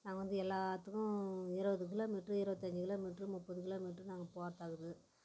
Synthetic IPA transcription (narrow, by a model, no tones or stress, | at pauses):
naːŋɡɐʋɐnd̪ɯɛlːaːt̪ːɯkːʊ̃ɪɾɯʋɐðɯk̬ɪloːmiʈrɯɪɾɯʋɐt̪ːɐɲd͡ʒɯkɪloːmiʈrɯmʊpːɐðɯkɪloːmiʈrɯnaːŋɡɐpoːɾt̪aːɣɯðɯ